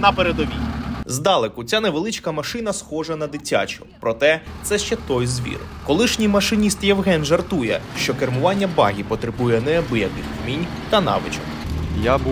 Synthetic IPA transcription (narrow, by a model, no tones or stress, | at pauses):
nɐpeɾed̪ɔʋʲinʲzd̪ɑlˠekʊt͡sʲaneʋelˠɪt͡ʃkɐmɐʃɪnɐsxɔʒɐnɐd̪ɪtʲa̰t͡ʃʊ̥pɾɔt̪ɛt̪sɛʃt͡ʃɛt̪ɔjzʋʲḭɾkɔlˠɪʃnʲijmɐʃɪnʲist̪jɛwɦɛnʒɐrt̪ujɛ̰ʃt͡ʃɔkermʊʋɑnʲːɐbɑ̰ɦʲipɔt̪ɾɪbujɛnɛbɪjɐkɪxmʲinʲ | t̪ɐnɑ̰ʋɪ̰t͡ʃɔ̰mjab